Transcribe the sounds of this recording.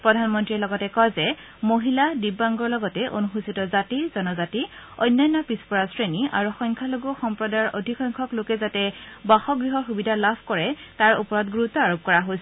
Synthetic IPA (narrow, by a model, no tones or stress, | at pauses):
pɹɔdʱanmɔntɹiɛlɔɡɔtɛkɔjzɛ | moɦiladibːaŋɡɔɹlɔɡɔtɛʔo̰nuxusitɔzatizɔnɔzatiɔ̰jnːajnːɔpispɔɹasɹenia̰ɹuxɔjŋkʰaloɡɔxɔmpɹɔdajɔɹʔodʱixɔjŋkʰɔklokɛzatɛbaxɔɡɹiɦɔxubidʱalabʰʱkɔɹɛtaɹupɔɹɔtɡuɹutɔaɹop̚kɔɹaɦojsɛ